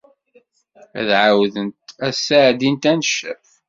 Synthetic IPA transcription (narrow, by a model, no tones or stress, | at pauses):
æ̰ðʕawðənt̪æsːaʕd̪int̪ænʃəf